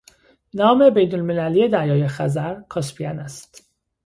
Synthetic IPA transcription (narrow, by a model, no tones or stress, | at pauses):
nɒːme̞bejnolmelælije̞d̪æjɒːjexæzæɾkʰɒspʰiænæst̪